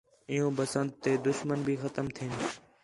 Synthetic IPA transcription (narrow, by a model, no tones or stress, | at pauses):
ɪjõːbəsənd̪t̪eːd̪ʊʃmənbʱiːxət̪əmt̪ʰiːn